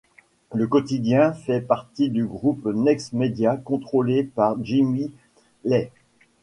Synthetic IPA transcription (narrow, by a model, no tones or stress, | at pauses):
ləkɔt̪id̪jɛ̃fɛpaʁt̪id̪yɡʁupnɛksmed̪jakɔ̃t̪χolepaʁʒimi | lɛ